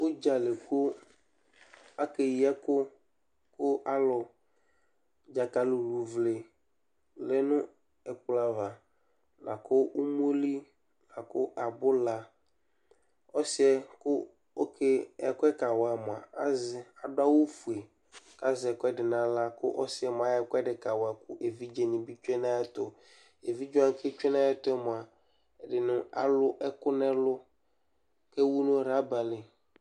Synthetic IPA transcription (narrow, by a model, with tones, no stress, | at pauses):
wo˦d͡ʒa˨le˨ko˦ | a˦ke˨ji˦ɛ˦kʊ˦ | kʊ˦ʔa˦lʊ˨ | d͡ʒa˨ka˨lo˨lu˨vle˨ | lɛ˦nʊ̃˦ | ɛ˨k͡pla˨va˨ | la̰˨kʊ˦ʔu˦m˦u˦li˦ | la˨kʊ˦ʔa˨bʊ˦la˦ | ɔ˦sɪ˦ɛ˦kʊ˦ | o˦ke˦ɛ̰˨kʊ˦ɛ˦ka˨wa˨mʊ˨a̰˨a˦zɪ˨a˨dʊ˦a˦wo˦fu˨e˨ | ka˦zɛ˨kʊ˦ɛ˦dɪ˨nã˨la˦kʊ̰˦ʔɔ˦sɪ˦ɛ˦m˨a˨ɛ˨kɛ˦ɖɪ˨ka˨wa˨kʊ˦ʔe˨vi˦d͡ʒe˨nĩ˨bi˦t͡ʃɛ˦nã˦ɛ˦t̪ɔ˨ | e˨vi˦d͡ʒʊ˦ã˦kʰe˦t͡ʃᶣɛ˦nã˦a˦t̪ʊ˦ɛ˦mʊ˨a˨ | ɛ˨ɖɪ˨nʊ̃˦a̰˨lʊ˦ʔɛ˦kʊ˦nɛ̃˦lʊ˦ | ke˦wu˦nʊ̃˦ɾa˦ba˨lɪ˨